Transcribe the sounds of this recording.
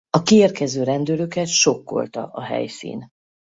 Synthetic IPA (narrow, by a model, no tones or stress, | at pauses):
ɒkieːrkɛzøːɾɛnd̪øløkɛt̪ʃo̞kːo̞̰lt̪ɒ̰ʔɒɦɛ̰jsḭːn